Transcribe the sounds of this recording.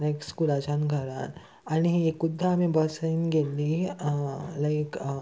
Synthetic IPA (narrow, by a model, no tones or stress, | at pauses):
nekskulad͡ʒanɡʱəɾa̰n | aniekːud̪ʱːaːmĩbəsəinɡeli | laɪk